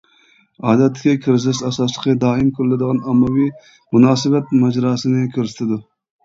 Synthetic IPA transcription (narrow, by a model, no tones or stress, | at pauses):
ɑːd̪ɛt̪ːɪkʲɪkʲʰɪɾzɪsæsɑslˠəqʰəd̪ɑːɪmkʰʊɾlɪd̪əʁɑnɑmɑwi | munɑːsɨbɛt̪mæd͡ʒɾɑːsɨnɪkʲʰɪɾsɪ̥t̪ʰɪd̪u